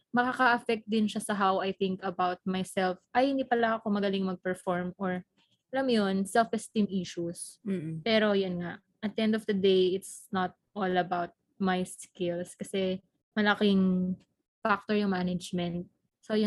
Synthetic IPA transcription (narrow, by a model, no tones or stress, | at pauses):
mɐkakaʔɐfɛk̚t̪̚d̪ɪnʃasɐɦawɐjθɪŋkɐbawt̪̚majsɛlfʔɐjhɪnd̪ipɐlaʔɐkomɐɡɐlɪŋmɐɡ̚pɛɹfɔɹmoɹ | ɐlamjonsɛlfɛst̪imʔiʃuspɛːɾo̞jʊnŋaʔ | ʔɐt̪̚ʔɛnd̪ɔfd̪ɐd̪ejɪt̪snɐt̪̚ʔolɐbawt̪̚ | majskɪlskɐsɛ | mɐlɐkɪŋ | fak̚t̪oɹjʊŋmanɐd͡ʒmɛ̃nt̪̚ | sojʊ